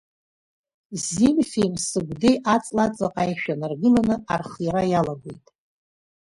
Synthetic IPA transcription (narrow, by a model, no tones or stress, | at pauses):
zimfʲejmsɨɡʷdejʔat͡sʼlat͡sʼaqʼajʃᶣanarɡɨlanɨarχjaɾajalaɡʷḛjtʼ